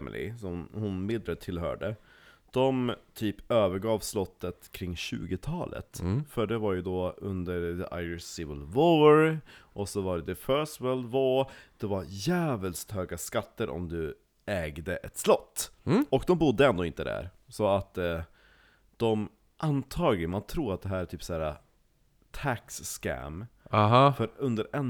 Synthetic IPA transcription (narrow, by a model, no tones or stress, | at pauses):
mɪ̰lɪ̰sɔmhʊnmɪd̪ɾət̪ʰːɪlɦœ̰ːɖəd̪̥ɔmt̪ʰyːpøːvəɾɡɑːvslɔt̪ːət̪kʰɾɪŋːɕʉ̰ːɡɪt̪ʰɑ̰ːlə̰t̪fœɖɛvaɾjʉd̪ɔːɵnd̪əɾd̪ɛʔa̰jəsɪvɪlvoɾʔɔsɔvaɾd̪ɛfœsvɛld̪voːd̪̥ɛvaɾjæːvəlst̪høːɡaskat̪ːəɾʔɔ̰md̪ɵ | ɛːɡd̪əʔɛt̪slɔt̪ːɔkd̪ɔmbʊd̪ːəɛnd̪oːɪnt̪əd̪æ̰ːɾ | sɔat̪ | d̪̥ɔm | ʔant̪ʰɑːɡlɪmant̪ʰɾuːɾat̪̚d̪ɛɦæːɾʈʰyːpsæːɾa | t̪ʰæksːkæ̰mɦfœɾɵnd̪əɾɛn